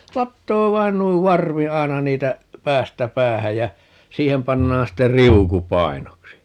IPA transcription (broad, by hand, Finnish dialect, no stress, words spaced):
lɑtːoː ʋɑin nuiʋ ʋɑrʋi ɑi̯nɑ niːtæ pæːstæ pæːhæj jæ siːhem pɑnːɑːn ste riuku pɑi̯noksi